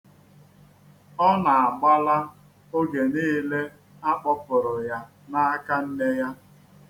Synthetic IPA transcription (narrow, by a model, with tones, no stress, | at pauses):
ɔ˦na˨a˨ɡ͡ba˦la˦ | o˦ɡe˨niː˦le˦ | a˦k͡pɔ˦pʊ˨ɾʊ˨ja˦ | na˦a˦ka˦n̩˦ne˦ja˦